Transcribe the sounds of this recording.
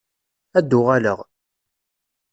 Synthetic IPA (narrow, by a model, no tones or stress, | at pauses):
æd̪ːʊʁaləʁ